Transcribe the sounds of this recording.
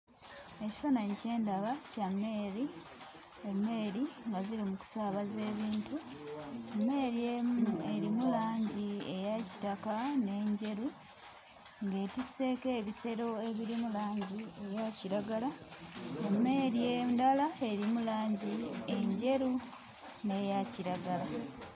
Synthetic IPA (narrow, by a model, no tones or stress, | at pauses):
eci̥fanaɲice̞ːndaβacamːeɾi | emːe̞ːɾiŋɡazilimuku̥saːβaze̞ːβiːntu | emːe̞ɾijemeɾimulaːɲɟie̞jaci̥takane̞ːɲɟe̞ɾu | ŋɡe̞ːtise̞ːke̞ːβise̞ɾo̞e̞βiɾimulaːɲɟie̞jaciɾaɡala | emːe̞ːɾijendalae̞ɾimulaːɲɟieɲɟe̞ɾu | ne̞jaciɾaɡala